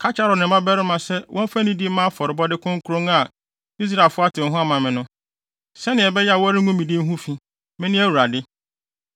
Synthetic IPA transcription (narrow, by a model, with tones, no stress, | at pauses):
kʰa˦t͡ɕʰa˦ɾɔ˨nɪ̃˨mã˦bɛ˦ɾɪ˦mã˨sɛ˦wʔɔ̃˦m˦fa˦nĩ˦di˦mã˦a˦fɔ˨ɾɪ˨bɔ˦dɪ˦kʰʊ̃˦ŋ̩˦kʰu˦ɾõ˦ŋa˨ | i˦s̬ɾa˨e˨lfʊ˦a˦tʰɪ˨m̩˦ɦʊ̃˦a˦mã˨mɪ̃˨nʊ̃˦ | sɛ˦nɪ̃˨ɛ˨bɛ˦ja˨wɔ˦ɾɪ˦ŋũ˦mĩ˨di˦ɦũ˦fĩ˦ | mɪ̃˦nɪ̃˦æ˦wu˨ɾa˨dɪ˦